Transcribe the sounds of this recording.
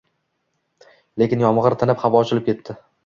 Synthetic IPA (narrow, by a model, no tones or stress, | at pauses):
le̞kʲɪnjɒmʁɨɾt̪ʰanɪpχavɒɒt͡ʃʰɪlɪp̚kʲʰe̞t̪ʰːɪ